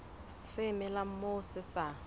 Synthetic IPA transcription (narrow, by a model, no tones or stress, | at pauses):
sɪmɪlam̩mosɪsa